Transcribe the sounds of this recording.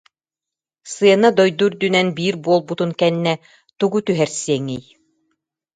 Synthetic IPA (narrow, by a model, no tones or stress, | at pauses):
sɯɐnad̪ɔjd̪uɾd̪ynɛnbiːɾbuɔlˠbut̪unkɛnːɛ | t̪uɡut̪yɦɛɾsiɛŋij